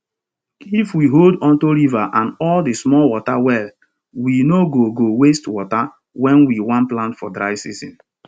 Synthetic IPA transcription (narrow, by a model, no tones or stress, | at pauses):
ifwiɦoldɔ̃ntoɹivaʔãnɔldismɔlwɔtawɛl | winoɡoɡowestwɔta | wɛ̃nwiwãnplãntfɔdɹaɪsizḭ̃n